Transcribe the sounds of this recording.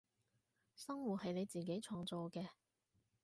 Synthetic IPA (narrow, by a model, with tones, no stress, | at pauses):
sɐ˥ŋwuː˨˩t̚hɐ˨jne˨˧jt͡siː˨ke˨˥jt͡sʰɔː˧ŋt͡sɔː˨˧kɛː˧